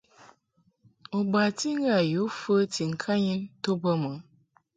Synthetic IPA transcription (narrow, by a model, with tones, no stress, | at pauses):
o˨ɡ͡ba˨ti˦ŋ˦ɡa˨ju˨˦fə˦ti˨ŋ̩˨kʰã˦ɲĩ˦t̪o˦bə˦mə˨